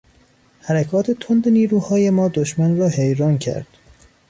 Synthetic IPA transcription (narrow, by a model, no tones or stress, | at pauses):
hæɾækʰɒːt̪ʰe̞t̪ʰond̪eniːɾuːhɒːje̞mɒːd̪oʃmænrɒːɦejɾɒːncʰæ̰ɾd̪̥